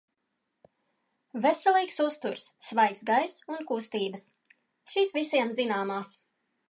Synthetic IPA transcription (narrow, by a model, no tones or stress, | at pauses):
vesɛlˠiːksust̪uɾsːvajksɡajsunkust̪iːbəs | ʃiːsvisʲiɛmzinaːmaːs